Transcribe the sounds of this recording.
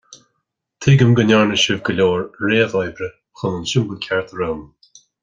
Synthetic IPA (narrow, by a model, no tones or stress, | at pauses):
t̪ʰɪɡəmɡənʲaɹnəʃɪvɡəlʲoːɹɹeːəðɔjbɾə | xʊnənʃɪmbəlkʲʰaɹt̪ʰəɾoːm